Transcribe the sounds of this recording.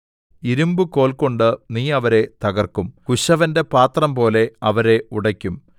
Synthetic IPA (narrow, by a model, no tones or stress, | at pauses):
iɾumbɨko̞ːɭko̞ɳɖɨniːɐʋɐɾe̞t̪ɐɣɐrkumkuɕɐʋɐnde̞paːt̪rɐmpo̞ːle̞ɐʋɐɾe̞uɽɐkʲːum